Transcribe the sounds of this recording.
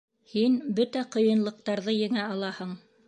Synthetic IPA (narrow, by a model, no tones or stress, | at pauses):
hinbɵt̪æqŏjɤ̆nlˠɤ̆q̚t̪ɑɾðɤjɘ̆ŋæɑlˠɑhɤɴ